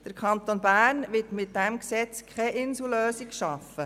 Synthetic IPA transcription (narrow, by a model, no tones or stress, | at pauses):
d̥əɾkʰɑnt̪onbæːɾnʋɪtmɪt̚dæmksɛt͡skʰχɛʔɪnsuløːsikʃɑfə